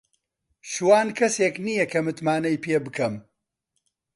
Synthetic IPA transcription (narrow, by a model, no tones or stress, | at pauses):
ʃuwaːnkʰɐseːknijɐkɐmɨt̪maːnɐjpʰeːbɨkɐm